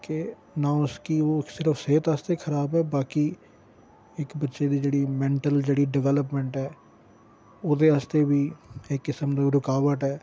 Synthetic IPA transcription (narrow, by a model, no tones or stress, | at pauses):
ke | nãːʊskioːksɪɾəfseːt̪aːst̪eːkʰəɾaːbɛːbaːki | ɪkbətːʃeːd̪iːd͡ʒeːɽiːmɛ̃ːɳʈəld͡ʒeːɽiːɖɪʋɛːləp̬mɛ̃ːɳʈɦɛː | oːd̪eːaːst̪eːʋiːekːɪsəmd̪oːɾʊkaːʋəʈɦɛː